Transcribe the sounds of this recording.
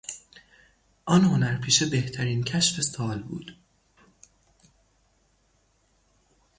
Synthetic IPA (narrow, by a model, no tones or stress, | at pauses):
ʔɒːnho̞næɾpʰiːʃebe̞ht̪ʰæɾiːncʰæʃfe̞sɒːlbṵːd̪̥